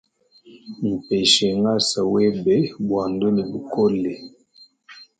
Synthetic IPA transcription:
m̩˨pɛ˨ʃɛ˨ŋa˦sa˨wɛ˦bɛ˦bwa˨ndo˦ni˨bu˨ko˦lɛ˨

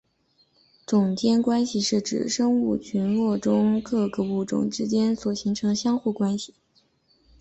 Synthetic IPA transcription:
t͡sʊ˨˩ŋt͡ɕjɛ˥nkwa˥nɕi˥˧ʂɻ̩˥˩ʈ͡ʂɻ̩̰˨˩ʂɤ˥ŋu˥˩t͡ɕʰy˧˥nlwɔ˥˩ʈ͡ʂʊ˥ŋkʰɤ˥˩kɤ˧˩u˥˩ʈ͡ʂʊ̰˥˩ŋʈ͡ʂɻ̩˥t͡ɕjɛ˥nswɔ˨˩ɕi˧˥ŋʈ͡ʂʰɤ˧˥ŋɕjɑ˥ŋxu˥˩kwa˥nɕi̥˥˩

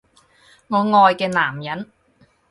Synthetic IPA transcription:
ŋɔː˨˧ŋɔː˨˧jkɛː˧naː˨˩mjɐ˨˥n

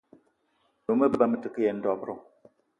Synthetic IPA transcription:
no˨˦mə˦˨ba˦mə˦˨tɨ˨kɨ˦jɛ˨n̩˦dɔ˨bɾɔ˦

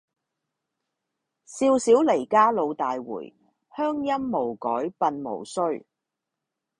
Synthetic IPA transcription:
siː˧wsiː˨˥wle˨˩jkaː˥lo˧wt̪aː˨jwṵː˨˩j | hœː˥ŋjɐ˥mːo˨˩wkɔː˨˥jpɐ˧nmo̰˨˩wsɵ˥ɥ

